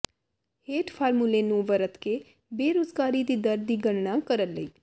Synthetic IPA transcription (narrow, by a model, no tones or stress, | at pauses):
heːʈpʰaːɾmuleːnũːʋəɾət̪keː | beːɾoːzɡaːɾiːd̪iːd̪əɾd̪iːɡəɳɳãːkəɾənləiː